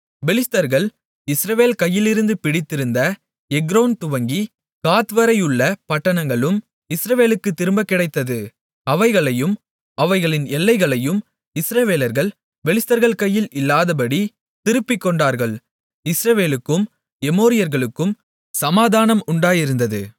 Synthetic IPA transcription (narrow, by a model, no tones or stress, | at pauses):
ʋɛlɪst̪ɐɾɣɐɭ | ɪsɾɐʋeːlkɐjːɪlɪɾɯnd̪ɯpɪɽɪt̪ːɪɾɯnd̪ɐ | ɛɡɾoːnt̪ʊʋɐŋɡi | kaːt̪ʋɐɾɐjɯɭːɐpɐʈːɐɳɐŋɡɐɭɯm | ɪsɾɐʋeːlɯkːɯt̪ːɪɾɯmbɐkːɪɽɐɪt̪ːɐðɯ | ɐʋɐɪɣɐɭɐjɯm | ʔɐʋɐɪɣɐɭɪnɛlːɐɪɣɐɭɐjɯm | ɪsɾɐʋeːlɐɾɣɐɭ | ʋɛlɪst̪ɐɾɣɐɭkɐjːɪlɪlːaːðɐbɐɽi | t̪ɪɾɯpːɪkːɔɳɖaːɾɣɐɭ | ɪsɾɐʋeːlɯkːɯm | ɛmoːɾɪjɐɾɣɐɭɯkːɯm | sɐmaːðaːnɐmʊɳɖaːjɪɾɯnd̪ɐðɯ̰